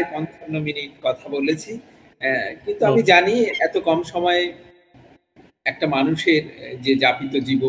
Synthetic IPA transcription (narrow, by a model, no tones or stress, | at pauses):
ekɔnt̪onːominiʈ̚kɔt̪ʰabolet͡ɕʰi | kint̪uamid͡ʑaniɛt̪okɔmʃɔmɔe | ɛk̚ʈamanuʃeɾd͡ʑed͡ʑapit̪od͡ʑibo